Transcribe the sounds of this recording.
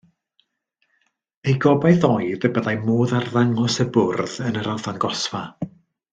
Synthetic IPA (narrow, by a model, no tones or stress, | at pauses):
ejɡɔbajðɔjðəbəðajmoːðarðaŋɔsəbʊrðənəɾaθanɡɔsva